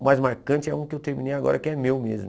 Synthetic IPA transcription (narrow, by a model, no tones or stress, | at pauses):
majzmaɾkɐ̃nt͡ʃɪɛũkɪewt̪eɾmḭnejaɡɔ̰ɾɐkɪɛmewmezmʊ